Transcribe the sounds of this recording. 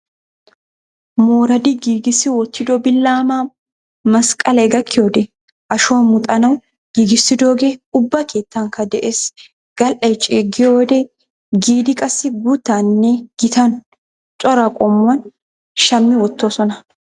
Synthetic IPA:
moːɾɐd̪ɪɡiːɡɪsɪwɔt̪ːɪd̪ɔbɪlːaːmaː | mɐskʼɐlɐɡɐkːɪjoːd̪ɛ | ʔɐʃoːmʊt̪ʼɐnɐw | ɡ̥iːɡɪsːɪd̪oːɡeːʊbːɐkʰe̞ːt̪ːɐŋkɐd̪ɛʔeːs | ɡ̥ɐlʔɐjt͡ʃʼeɡɪjoːd̪e | ɡiːd̪ɪkʼɐsːɪɡut̪ːaːnːeɡ̥ɪt̪ɐn | t͡ʃʼɔɾɐkʼɔmʊwɐn | ʃɐmːɪwɔt̪ːoːsɔnɐ

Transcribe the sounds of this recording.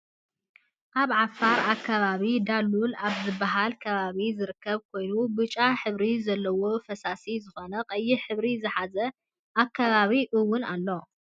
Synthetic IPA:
ʔaβʕafaɾakʰːaβaβid̪alːulaβzɨbːaɦalkʰɐβaβizɨɾɨkʰːɐβkʰo̞jnubɨt͡ʃʼaħɨβɾizɐlːɐwofɐsasizɨxo̞nɐqʼɐjːiħɨβɾizɨħazɐ | ʔakʰːaβaβiʔɨwːʊnalːo̞

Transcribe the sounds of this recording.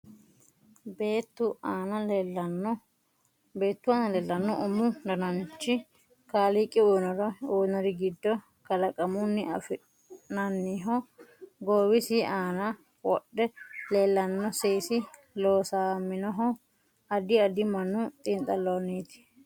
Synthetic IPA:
beːt̪ːʊaːnɐɐn | be̞ːt̪ːʊaːnɐleːlːɐnːɔʔɔmːʊd̪ɐnɐnt͡ʃːɪ | kaːlikʼːɪoːnɔɾɐoːnɔɾɪɡɪd̪ːɔ | kɐlɐkʼɐmʊnːɪɐ̰fɪ | nɐnːiɦɔɡoːwɪsɪʔaːnɐ | wɔɗːɛleːlːɐnːɔseːsɪ | loːsaːmːɪnɔɦɔ | ɐd̪ɪɐd̪ɪmɐnːʊt̪ʼiːnt̪ʼɐlːonːiːt̪ɪ̥

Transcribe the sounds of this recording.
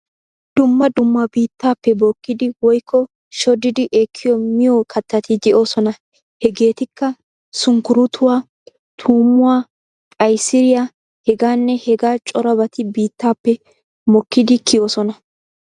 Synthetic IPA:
d̪̥ʊmːɐd̪ʊmːɐbiːt̪ːaːpːɛboːkːɪd̪ɪwɔjkʰːɔ | ʃɔd̪ɪd̪ɪʔeːkʰːɪjɔmɪjɔkʰɐt̪ːɐt̪ɪd̪ɛʔo̞ːsɔnɐ | hɛɡe̞ːt̪ɪkːɐ | sʊŋkʊɾʊt̪ʰʊwaː | t̪ʰuːmʊwaː | kʼɐjsɪɾɪja | hɛɡaːnːɛhɛɡaːt͡ʃʼɔɾɐbɐt̪ɪbiːt̪ːaːpːɛ | mɔkːɪd̪ɪkʰɪjo̞ːsɔnɐ

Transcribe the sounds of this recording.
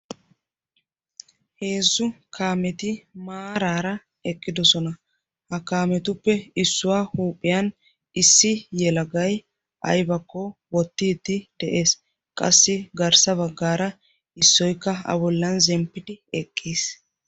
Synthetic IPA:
he̞ːzːʊkʰaːmɛt̪ɪmaːɾaːɾɐ | ɛkʼːɪd̪ɔsɔnɐ | hɐkaːmɛt̪ʊpːɛɪsːʊwaːhuːpʼːɪjɐn | ɪsːɪjɛlɐɡɐj | ʔɐ̰jbɐkːɔwɔt̪ːiːd̪ɪd̪̥ɛʔe̞ːs | kʼɐ̰sːɪɡɐɾsɐβɐɡːaːɾɐ | ɪsːɔjkːɐɐ̰bɔlːɐnzɛmpːɪd̪ɪɛkʼːiːs

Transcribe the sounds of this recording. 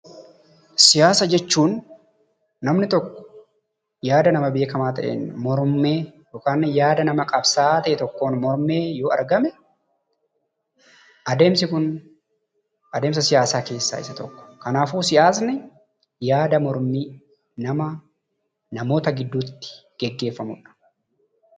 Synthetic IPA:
sɪjaːsɐd͡ʒɛt͡ʃːuːnː | ɐmnɪt̪ɔkːɔ̥ | jaːd̪ɐnɐmɐbe̞ːkɐmaːt̪ɐ̰ʔḛːnmɔɾmeːjoːkaːnːjaːd̪ɐnɐmɐkʼɐbsaːt̪ɐʔɛt̪ɔkːo̞ːnmɔɾmeːjoːɐ̰ɾɡɐmɛ | ʔɐd̪e̞ːmsɪkʊn | ʔɐd̪e̞ːmsɐsɪjaːsaːke̞ːsːa̰ːɪ̰sːɐt̪ɔkːɔ̥kɐnaːfuːsɪʔaːs̬nɪ | jaːd̪ɐmɔɾmi | nɐmɐ | nɐmo̞ːt̪ɐɡɪd̪ːuːt̪ːɪ̥ɡ̥ɛɡːe̞ːfːɐmʊᶑɐ̥

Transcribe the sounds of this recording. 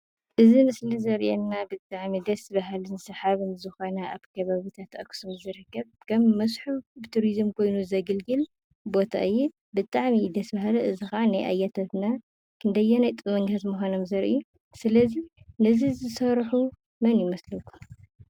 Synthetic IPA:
ʔɨzimɨslizɐɾʔɛnːabɨt̪ʼaʕmid̪ɐsbaɦalɨnsɐħaβɨmzɨxonɐʔaβkʰɐβaβit̪ʰat̪ʔɐksumzɨɾɨkːɐβkʰɐmːɐsħubɨt̪ʰuɾizmkʰo̞jnuzɐɡɨlɡɨl | bo̞t̪ʰa̰ʔɨjːɛ | bɨt̪ʼaʕmid̪ɐsbaɦalɐʔɨzixɐʕanajʔa̰jːat̪ʰat̪na | kʰɨnd̪ɐjːɛnajt̪ʼɨmɐɲʰat̪muxʷanomzɐɾʔḭu | sɨlɐzinɨzizɨsɐɾħu | mɐnjɪmɐslɐkʰːu̥

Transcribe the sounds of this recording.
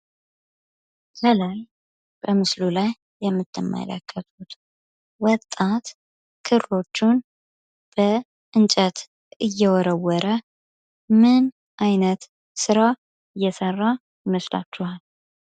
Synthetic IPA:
zəlaj | b̥əmɨslulajː | ɛmːɨt̪ʰːɨmːə̰lə̰kʰʼːət̪ʰut̪ | wɔt̪ʼːat̪ | kʰɨɾlo̞t͡ʃːun | b̥ə | ʔɨnt͡ʃʼət̪ | ɨjːɛwɔɾəwːɔɾə | mɨn | ʔajnət̪ | sɨɾa | ɨjːɛsərːa | jɪməsla̰t͡ʃːuhal

